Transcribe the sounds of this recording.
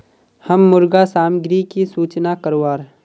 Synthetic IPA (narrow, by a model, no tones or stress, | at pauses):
həmːʊɾɡasaːmɡɾikisuːt͡ʃnakəɾoaːɾ